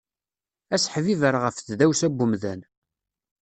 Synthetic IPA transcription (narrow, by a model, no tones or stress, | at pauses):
æsħvivəɾʁəfθðæwsæbːʊmðæn